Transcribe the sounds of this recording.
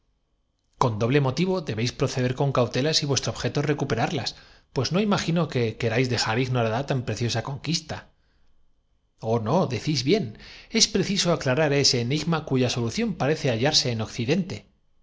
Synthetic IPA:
ko̞nd̪o̞βle̞mo̞t̪iβ̞o̞ðe̞βe̞jspɾo̞θe̞ðe̞ɾko̞ŋkawt̪e̞lasiβwest̪ɾoβxe̞t̪o̞re̞kupe̞ɾaɾlaspwe̞zno̞imaxino̞ke̞ke̞ɾajzðe̞xaɾiɣnoɾaðat̪ampɾe̞θjo̞sako̞ŋkist̪a | ono̞ðeθizβje̞ne̞spɾe̞θiso̞aklaɾaɾe̞se̞ːniɣmakuʝaso̞luθjo̞mpaɾe̞θe̞aʝaɾse̞ːno̞kθiðe̞nt̪e̞

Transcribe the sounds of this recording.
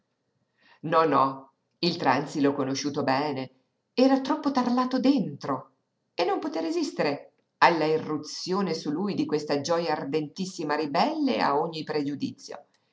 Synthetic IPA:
nɔnɔ | ilt̪ɾansilokonoʃuːt̪obɛːne | ɛːɾat̪ɾɔpːot̪arlaːt̪od̪ent̪ɾo | enːompot̪eɾezist̪eɾe | alːairːut̪sjoːnesulujd̪ikwest̪ad͡ʒɔjaːrd̪ent̪isːimaɾibɛlːḛa̰oɲːipɾed͡ʒud̪ḭt̪sːjo̰

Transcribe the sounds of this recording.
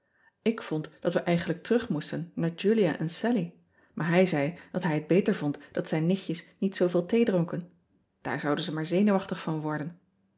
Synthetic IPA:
ɪkfɔntd̥ɑtʋəʔɛjχənlək̚təʁɵχmustənːaːɹd͡ʒylija̰ʔɛnsɛli | mʔaːɹɦɛjzɛjd̥ɑtɦɛjɦəd̚bejtəɹvɔntd̥ɑtsɛjnːɪχjəsnitsowveːlˠtejdrɔŋkən | d̥a̰ːɹzɑwdənzəmaːɹzejnuʋɑχtəχfɑnʋɔɹdən

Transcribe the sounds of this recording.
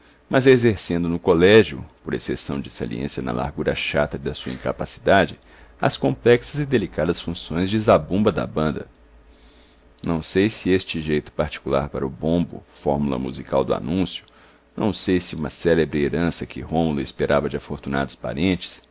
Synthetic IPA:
mɐzezeɾsẽnd̪ʊnʊkolɛʒjʊ̰poɾesesɐ̃w̃d͡ʒɪsa̰liḛ̃sjɐnɐ̰la̰ɾɡuɾɐʃat̪ɐd̪ɐsuɐḭ̃kapasi̥d̪ad͡ʒɪ | ɐ̰skõmplɛksɐzɪd̪elikad̪ɐsfũsõj̃zd͡ʒɪzabũmbɐd̪ɐ̰bɐ̃nd̪ɐ | nɐ̃w̃sejsɪest͡ʃɪʒejt̪ʊ̥paɾt͡ʃi̥kula̰ɾpaɾɐʊbõbʊ̰fɔɾmulɐ̰mṵzikawd̪ʊa̰nũsjʊ̥ | nɐ̃w̃sejsɪũmɐsɛlebɾɪeɾɐ̃sɐkɪhõmlʊespeɾʔavɐd͡ʒɪafoɾt̪una̰d̪ʊspa̰ɾẽnt͡ʃɪ̥s

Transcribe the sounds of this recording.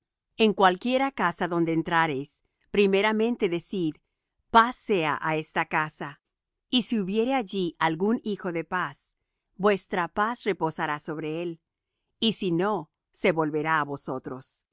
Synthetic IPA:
e̞ŋkwalkje̞ɾakasaðo̞nd̪eːnt̪ɾaɾes | pɾime̞ɾamẽ̞nt̪e̞ðe̞sið | pasːe̞a̰ʔae̞st̪akasa | isiuβje̞ɾe̞aʝiʔalɣunixo̞ðe̞pas | bwe̞st̪ɾapasre̞po̞saɾaso̞βɾe̞e̞l | isino̞ | se̞βo̞lβe̞ɾaːβo̞so̞t̪ɾo̞s

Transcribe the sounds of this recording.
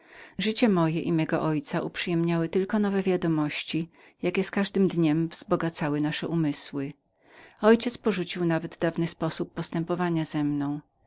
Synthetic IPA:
ʐɘt͡ɕɛmɔjɛʔimɛɡɔ̰ʔɔjt̪saʔupʂɘjɛmɲawɘt̪ɘlkɔnɔvɛvʲjad̪ɔmɔɕt͡ɕi | jakʲɛskaʐd̪ɘmd̪ɲɛmvz̥bɔɡat̪sawɘnaʂɛʔumɘswɘ | ɔjt͡ɕɛt̪spɔʐut͡ɕiwnavɛd̪ːavnɘspɔsupːɔst̪ɛmpɔvaɲazɛmnɔ̃w̃

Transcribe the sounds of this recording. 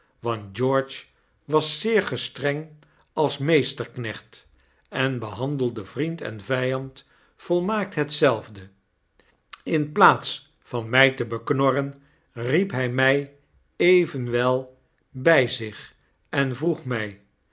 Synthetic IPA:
ʋɑnt̚d͡ʒɔɹt͡ʃ | ʋɑsːɪːɹχəstrɛŋ | ɑlˠsmejstəɹknɛχt | ɛnbəɦɑndəlˠdəvrintɛ̰nvɛjɑnt | folˠmaːk̚tɦətsɛlˠvdə | ɪnplaːts | fɑnmɛjtəbəknɔrən | ripɦɛjmɛj | ejvənʋɛlˠ | bɛjzɪχ | ɛnvruχmɛj

